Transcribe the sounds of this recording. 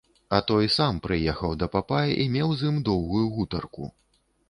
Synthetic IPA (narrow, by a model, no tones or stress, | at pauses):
ɐt̪ɔjsampɾɨjɛxɐwd̪ɐpapajʔimʲɛwzimd̪ɔwɣujuɣut̪ɐrkṵ